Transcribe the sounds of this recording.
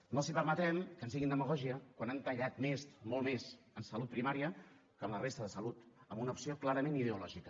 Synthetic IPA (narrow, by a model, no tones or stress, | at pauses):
nəlˠsipəɾmət̪ɛmkənsiɣind̪əməɣɔʒiəkwanant̪əʎat̪mesmolˠmez | ənsəlut̪pɾimaɾiə | kəmlərest̪əðəsəlut̪əmunəupsioklaɾəmeniðəulɔʒikə